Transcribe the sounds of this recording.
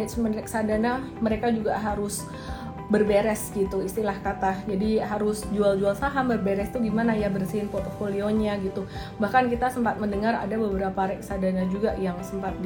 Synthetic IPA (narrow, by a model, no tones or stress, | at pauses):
smənrɛksadana | məɾekad͡ʒuɡaɦaɾʊs | bərbeɾɛsɡit̪uist̪ilahkat̪ahd͡ʒadiɦaɾʊsd͡ʒuald͡ʒualsaɦambərbeɾɛst̪uɡimanajabərsəɪnpɔrt̪ofolioɲaɡit̪u | bahkankit̪asəmpat̪̚məndəŋara̰dabəbəɾapaɾɛksadanad͡ʒuɡaʔjaŋsəmpat̪̚